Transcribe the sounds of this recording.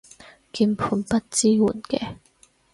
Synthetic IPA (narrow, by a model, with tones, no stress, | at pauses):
kiː˧npʰuː˧npɐ˥t̚t͡siː˥wuː˨˩nkɛː˧